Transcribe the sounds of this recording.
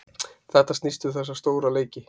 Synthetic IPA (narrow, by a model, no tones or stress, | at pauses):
θɛht̪ast̪nist̪ʏθɛsːast̪oːwɾaleːjcɪ